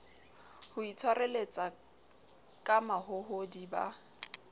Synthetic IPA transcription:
hʊit͡sʰwarelet͡sʼa | kʼamahʊhodiba̰

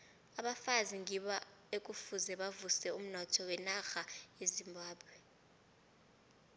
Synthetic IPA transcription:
aɓafaziŋiɓaekʼufuzɛɓavusɛum̩nɔtʰɔwɛnaxaezimbʱaːbʱwɛ

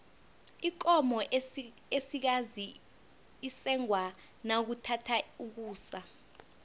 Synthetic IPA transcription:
ik̬ʼɔmɔ | esik̬azi | isɛŋwa | nak̬utʰatʰauk̬uːsa

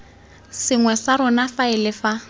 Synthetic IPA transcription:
sɪŋwɛsaɾʊnafaɪlɪfa

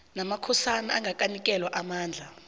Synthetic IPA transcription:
namakʰɔsanaaŋɡak̬ʼanik̬ʼɛlwaʔamaːnd͡ɮʱa

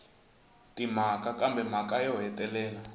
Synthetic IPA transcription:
tʼim̤akakambʱɛm̤akajɔɦɛtʼɛlɛːla

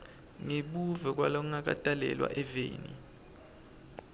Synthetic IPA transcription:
ŋiɓuvɛk̬ʼwalɔŋak̬ʼatʼalɛ̰lwa̰ʔɛvḛːni

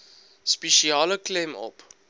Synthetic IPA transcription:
speʃiɑːləklɛmɔ̰p

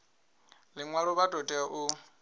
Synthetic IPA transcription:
lɪŋwaɺɔβatʼɔtʼɛaʔʊ

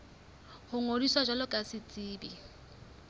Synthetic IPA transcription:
hʊŋodiswad͡ʒwalɔkʼasɪt͡sʼiːbi

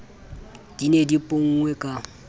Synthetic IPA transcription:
d̥inedipʼoŋ̩ŋwɛkʼa

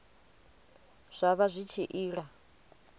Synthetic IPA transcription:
z̥ʷaβazʷit͡ʃʰiʔiːɺa

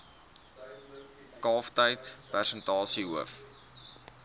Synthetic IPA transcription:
kɑːftəjtpærsəntɑːsiɦuəf

